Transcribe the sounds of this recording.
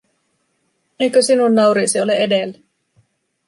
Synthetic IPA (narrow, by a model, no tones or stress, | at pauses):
ejkøsinunːɑuɾiːsioleedelːæ